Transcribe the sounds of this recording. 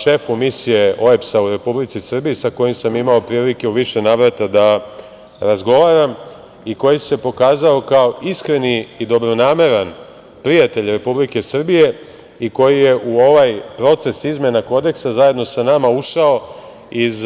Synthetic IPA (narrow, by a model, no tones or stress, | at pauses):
ʃe̞fumisije̞ʔo̞epsauɾe̞publit̪sisr̩bijisako̞jimsamimao̞pɾiːlike̞uʋiʃe̞naːʋɾat̪ad̪a | ɾazɡo̞ʋaɾam | iko̞jise̞po̞kaːzao̞kao̞ʔiskɾe̞niːd̪o̞bɾo̞naːme̞ɾan | pɾijat̪e̞ʎʲɾe̞publike̞sr̩bije̞ | iko̞jije̞ʔuo̞ʋajpɾo̞t̪se̞sizme̞nako̞d̪e̞ksazaje̞d̪no̞sanamauʃao̞ | iz